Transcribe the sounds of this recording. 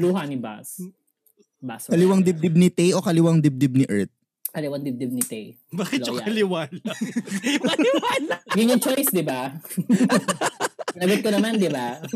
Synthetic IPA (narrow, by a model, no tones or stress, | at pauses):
luːɦɐnɪba̰s | baskɐlɪwaŋd̪ɪb̚d̪ɪb̚nɪt̪ɛjʔokɐlɪwaŋd̪ɪb̚d̪ɪb̚nɪʔɛɹt̪̚ | kɐlɪwand̪ɪb̚d̪ɪb̚nɪt̪ɛj | baːkɪtjʊkɐlɪwan | anɡɪŋʊnt͡ʃojsd̪ɪba | ɪnɐɡot̪̚kɐnɐmand̪ɪba